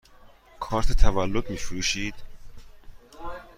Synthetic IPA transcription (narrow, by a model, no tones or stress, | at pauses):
kʰɒːɾt̪ʰet̪ʰævælːod̪miːfɾuːʃiːd̪̥